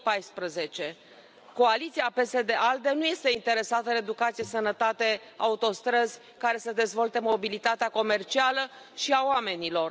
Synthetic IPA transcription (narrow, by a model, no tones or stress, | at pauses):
pajspɾəze̞t͡ʃe̞ | ko̞alit̪siape̞se̞d̪e̞ʔald̪e̞nuje̞st̪e̞int̪e̞ɾe̞sat̪əned̪ukat̪sijesənət̪at̪e̞ | a̰ut̪o̞st̪ɾəzʲ | kaɾe̞səd̪e̞zvo̞lt̪e̞mo̞bilit̪at̪eako̞me̞rt͡ʃialə | ʃiaowame̞nilo̞r